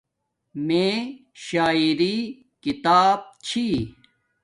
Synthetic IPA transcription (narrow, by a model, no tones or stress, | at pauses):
mẽː | ɕaːiɾi | kit̪aːb̚t͡ɕʰi